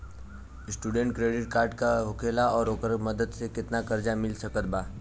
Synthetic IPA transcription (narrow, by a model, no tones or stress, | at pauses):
sʈuːɖə̃ɳʈ̚kɾeːɖɪʈ̚kaːɾɖkaɦʊkʰeːlaɔːɾoːkəɾməd̪əd̪sekɪt̪nakəɾd͡ʒamɪlsɐkət̪̚baː